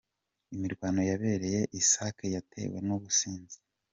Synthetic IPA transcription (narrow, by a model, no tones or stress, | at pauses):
imiɾɡwaːno̞jaβe̞ːɾe̞je̞ʔisaːkejatʰe̞̰ːwe̞̰nuβusiːnzi̥